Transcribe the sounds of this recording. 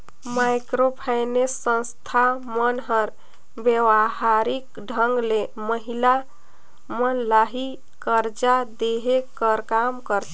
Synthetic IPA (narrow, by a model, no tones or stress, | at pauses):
majkɾopʰajnesːə̃nst̪ʰamənɦəɾ | bjəwaɦaɾik | ɖʱəŋɡle | məɦila | mənlaɦi | kəɾd͡ʒad̪eɦekəɾkamkəɾt̪